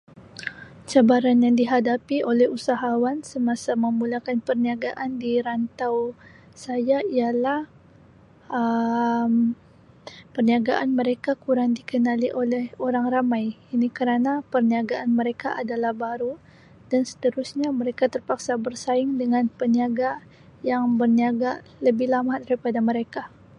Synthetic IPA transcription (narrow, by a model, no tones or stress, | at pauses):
t͡ʃabaɾanjaŋdiɦadapiʔolɛhusaɦawansəmasaməmulakanpərniaɡaʔandiɾant̪aw | sajaialah | əm | pərniaɡaʔanməɾekakuɾaŋdikənaliʔolɛhoɾaŋramajinikəɾanapərniaɡaʔanməɾekaʔadalahbaɾu | d̥ansə̥t̪əɾusɲaməɾekat̪ərpaksabərsaɪŋdəŋanpəniaɡa | jaŋbərniaɡa | ləbɪɦlamadaɾipadaməɾeka